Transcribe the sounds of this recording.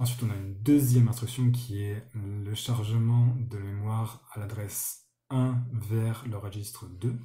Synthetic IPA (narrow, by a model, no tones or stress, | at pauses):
ɑ̃s̬ɥit̪ɔ̃naynd̪øzjɛmɛ̃st̪χyksjɔ̃k̬ʲʰiɛləʃaʁʒəmɑ̃d̪əmemwaʁalad̪ʁɛs | ɛ̃vɛʁləʁəʒist̪χəd̪ø